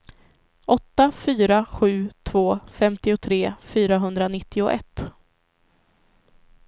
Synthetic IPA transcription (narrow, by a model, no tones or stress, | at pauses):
ʔɔt̪ːafyːɾaɧʉ̟ːt̪ʰvoːfɛmt̪ɪʊt̪ʰɾeːfyːɾaɦɵnd̪ɾanɪt̪ʰːɪʊʔɛ̰t̪ː